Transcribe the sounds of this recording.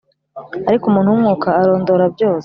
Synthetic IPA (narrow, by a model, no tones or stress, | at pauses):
aɾikumuːnhuumŋuːkaːɾo̞ːndo̞ɾabjo̞ːse̥